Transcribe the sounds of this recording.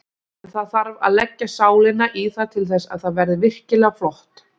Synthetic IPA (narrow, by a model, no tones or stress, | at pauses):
ɛnθaðθaɾva̰ðlɛcːasaːwlɪnaʔiθaðt̪ʰɪlθɛsːa̰ðθaðvɛɾðɪvɪr̥cɪlɛɣaflɔht̪